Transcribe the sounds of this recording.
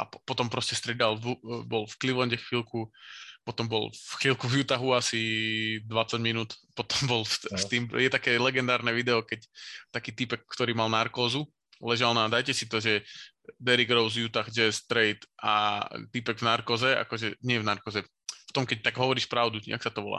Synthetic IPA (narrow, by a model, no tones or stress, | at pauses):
a̰pɔt̪ɔmpɾɔscɛst̪ɾɛd̪alubɔlfkliʋlɔɲɟɛxʋilkupɔt̪ɔmbɔ̰lfxilˠkuvjut̪aɦuasid̪ʋat͡saɟminuːt̪pɔt̪ɔmbɔlst̪iːmjɛt̪akɛːlɛɡɛnd̪aːɾnɛʋid̪ɛɔkɛct̪akiːt̪ipɛkːt̪ɔɾiːmalnaɾkɔːzu | lɛʒalnad̪ajcɛsit̪ɔʒɛ | d̪ɛɾiɡɾɔʊzjut̪axd͡ʒɛst̪ɾɛjt̪ʔa̰t̪ipɛɡvnaɾkɔːzɛa̰kɔʒɛɲɪɛvnaɾkɔzɛ | ft̪ɔmkɛc̚t̪aɡɦɔʋɔɾiːʃpɾaʊd̪uia̰ksat̪ɔʋɔla̰ː